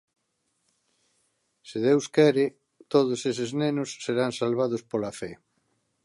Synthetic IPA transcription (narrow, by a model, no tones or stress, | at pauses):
sɪðewskɛɾɪ | t̪oðʊsesɪznenʊsːeɾaŋsalβað̞ʊspolafɛ